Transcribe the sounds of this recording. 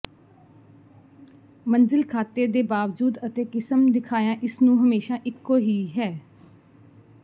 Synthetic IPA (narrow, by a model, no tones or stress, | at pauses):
mənzɪlkʰaːt̪eːd̪eːbaːʋd͡ʒuːd̪ət̪eːkɪsəmd̪ɪkʰaːjãːʔɪsnũːɦəmeːʃaːʔɪkːoːɦiːɦɛː